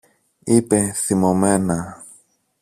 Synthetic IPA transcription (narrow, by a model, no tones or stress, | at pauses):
ipeθimomena